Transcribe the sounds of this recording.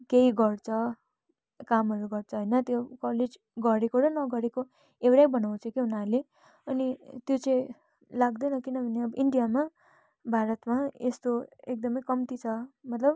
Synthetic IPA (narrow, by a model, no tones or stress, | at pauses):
keiɡʌrt͡sʰʌ | kamɦʌɾuɡʌrt͡sʰʌɦojnʌt̪jokʌled͡z | ɡʌɾekoɾʌnʌɡʌɾeko | ewɾajbʌnaw̃t͡sʰʌkiɦunale | ʌnit̪jot͡sʌ̃ĩ | laɡd̪ʌnʌkinʌbʱʌneʌbʌʔiɳɖijama | bʱaɾʌt̪maest̪oek̚d̪ʌmʌjkʌmt̪it͡sʰʌmʌt̪lʌb